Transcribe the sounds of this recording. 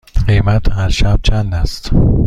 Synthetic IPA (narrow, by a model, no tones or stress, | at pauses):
ɢejmæt̪ʰhæɾʃæb̥̚t͡ʃʰænd̪æst̪